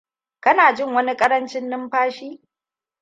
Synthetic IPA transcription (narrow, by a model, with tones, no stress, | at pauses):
kɐ˦naː˨d͡ʒɪ˦˨ŋwɐ˦ni˦kʼɐ˦ɾɐ˦nt͡ʃɪ˦nːɪ˦mɸaː˦ʃiː˦